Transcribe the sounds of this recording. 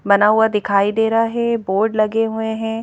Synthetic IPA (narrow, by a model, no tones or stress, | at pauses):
bɐnaɦuad̪ɪkʰaːid̪eːɾaɦɛboːɾɖlɐɡeɦueɦɛ̃ː